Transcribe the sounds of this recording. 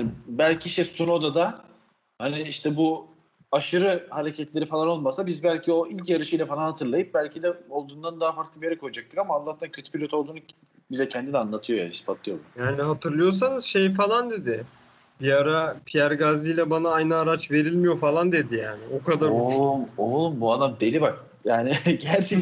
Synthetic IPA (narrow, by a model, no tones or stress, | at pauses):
anbælʲcʰiʃt̪ʰɛsuno̞d̪ad̪a | haniiʃt̪ʰɛbu | aʃɯɾɯhaɾecʰɛt̪lʲe̞ɾifalˠano̞lˠmasabizbælʲcʰio̞ilʲcjaɾɯʃɯjlʲɛfalˠanhat̪ʰɯɾlˠajɯp̚bælʲcʰid̪ɛo̞lˠd̪uːnd̪and̪aɦafaɾklˠɯbijeɾɛkʰːojad͡ʒak̚t̪ʰɯkamaːlˠːaht̪ʰancʰøt̪ʰybʰilʲo̞t̪ʰo̞lˠd̪uːnu | bizɛcʰɛnd̪id̪ʲɛanlːˠat̪ʰɯjo̞ja̰ispʰat̪lˠijo̞lumjaːniɦat̪ʰɯɾlˠɯjo̞s̬anɯz̥ʃe̞jfalˠand̪e̞d̪ɪ | b̥iaɾapʰijæɾɡazɯjlʲɛbanaajnɯaɾat͡ʃve̞ɾilʲmijo̞falˠand̪e̞d̪ijaːnɪʔo̞kʰad̪aɾmolˠumbuad̪amd̪elʲibak̚ | jaːnɪɟæɾt͡ʃʰe